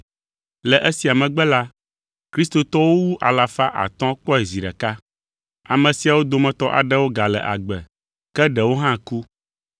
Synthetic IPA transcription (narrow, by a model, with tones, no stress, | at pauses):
lɛ˨ʔɛ˦si˨a˨mɛ̃˨ɡ͡bɛ˦la˦ | kɾi˦st̪o˨t̪ɔ˦wo˦wu˦ʔa˨la˨fa˦ʔa̰˨t̪ɔ̃˦k͡pɔ˦ɛ˨zi˨ɖɛ̰˨ka˦ | a˨mɛ̃˨si˨a˨wo˦d̪o˨mɛ̃˨t̪ɔ˦ʔa̰˨ɖɛ˦wo˦ɡa˨lɛ̰˨ʔa̰˨ɡ͡bɛ˨ | kɛ˦ɖɛ˨wo˦ɦã˦ku˦